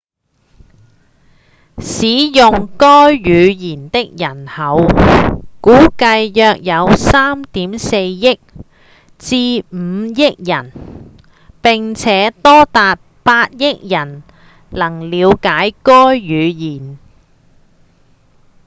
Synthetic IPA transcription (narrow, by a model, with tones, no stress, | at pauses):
siː˨˥jʊ˨ŋkɔː˥jːyː˨˧jiː˨˩nt̪ɪ˥k̚jɐ˨˩nhɐ˨˧w | kuː˨˥kɐ˧jːœː˧k̚jɐ˨˧wsaː˥mt̪iː˨˥mse˧jjɪ˥k̚ | t͡siː˧m̩˨˧jɪ˥k̚jɐ˨˩n | pɪ˨ŋt͡sʰɛː˨˥t̪ɔː˥t̪aː˨˧t̚paː˧t̚jɪ˥k̚jɐ˨˩n | lɐ˨˩ŋliː˨˧wkaː˨˥jkɔː˥jːyː˨˧jiː˨˩n